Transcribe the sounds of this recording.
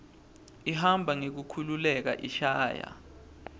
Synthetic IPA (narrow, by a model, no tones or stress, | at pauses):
iɦambʱaŋek̬ukʰululɛk̬a̰ʔiʃaːja̰